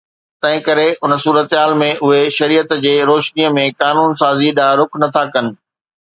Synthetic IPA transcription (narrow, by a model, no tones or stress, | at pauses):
t̪ɐ̃ɦɪ̃kɐɾeʔʊnsuːɾət̪ɦaːlmẽʔʊɦeʃɐɾiːət̪d͡ʑeːɾoːʃnijəmẽkaːnuːnsaːziɗaɾʊkʰnɐt̪ʰakɐnɪ̆